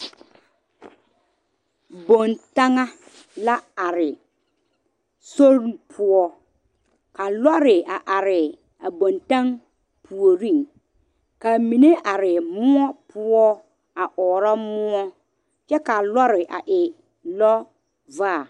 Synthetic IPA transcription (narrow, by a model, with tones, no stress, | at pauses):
bo˨nta˦ŋa˦ | la˦a˨ɾɪ˨ | so˦ɾpʰʊ˦ɔ˦ | ka˨lɔ˦ɾɪ˨a˨ʔa˨ɾɪ˨ | a˨bo˨nta˦ŋ | pʰu˨o˨ɾĩ˦˨ŋ | ka˨mi˨ne˦ʔa˨ɾɪ˨mʊ˦ɔ˦pʊ˦ɔ˦ | a˨ʔɔː˨ɾa˦mʊ˦ɔ˦ | t͡ʃɛ˦ka˨lɔ˦ɾɪ˨ʔa̰˨ʔɪ˨ | lɔ˦ | vaː˦˨